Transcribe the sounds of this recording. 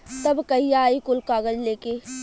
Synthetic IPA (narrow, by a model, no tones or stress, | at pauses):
t̪ɐbkɐijaːikʊlkaːɡəd͡ʒleːkeː